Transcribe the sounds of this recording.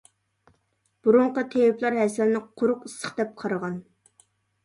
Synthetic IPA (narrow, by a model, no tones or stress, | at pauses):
b̥uɾʊɴqɑt̪ʰejɪplˠɑɾɦɛsɪlnɪqʰʊɾʊqisːə̥χd̪ɛp̚qʰɑɾɑʁɑn